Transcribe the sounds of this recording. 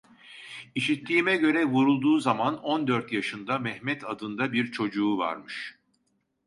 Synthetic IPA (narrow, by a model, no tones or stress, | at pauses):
iʃit̪ʰːiːmɛɟø̞ɾɛvuɾulˠd̪uːzamano̞nd̪øɾt̪jaʃɯnd̪amɛhmɛt̪ʰad̪ɯnd̪abiɾt͡ʃʰo̞d͡ʒuːva̰ɾmɯʃ